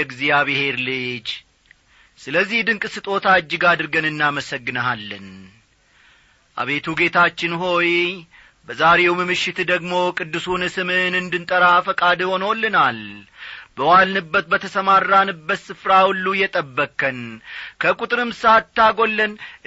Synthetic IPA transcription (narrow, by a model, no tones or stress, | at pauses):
ɛɡzijaβɨhe̞ɾlɨd͡ʒ | sɨləzːihd̪ɨŋkʼɨsɨt̪ʼo̞t̪ʰad͡ʒːɪɡad̪ɨɾɡənɨnːaməsəɡːɨnəɦalːən | ʔa̰βe̞t̪ʰuɡe̞t̪ʰat͡ʃːɪnɦo̞j | bəzaɾe̞wmɨmɨʃːɪt̪d̪əɡmo̞kʼɨd̪ːɨsunɨsɨmɨɨnɨnd̪ɨnt̪ʼəɾafəkʼad̪ho̞nolːɨnal | bəwalnɨbːət̪̚bːət̪ʰəsəmarːanɨbːət̪sɨfɾawulːujɛt̪ʼəbːəkʰʼːənkʰəkʼut̪ʼɾɨmsat̪ːaɡo̞lːən